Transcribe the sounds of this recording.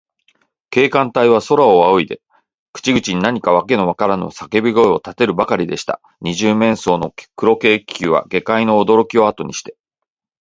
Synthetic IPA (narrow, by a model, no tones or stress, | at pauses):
ke̞ːkãnt̪aiβ̞aso̞ɾaoβaoid̪e̞ | kɯ̟̥t͡ɕiɡɯ̟t͡ɕiɲ̟inaɲ̟ikaβ̞ake̞no̞βakaɾano̞̰sake̞bɯɡo̞eo̞t̪at̪e̞ɾɯ̟bakaɾʲid̪e̞ɕi̥t̪a̰ | ɲ̟iʑɨːmẽ̞ɰ̃so̞ːno̞kɯ̟ɾo̞ke̞ːkʲʰɨːβa̰ɡe̞kaino̞ːd̪o̞ɾo̞kʲio̞at̪o̞ɲ̟iɕi̥t̪e̞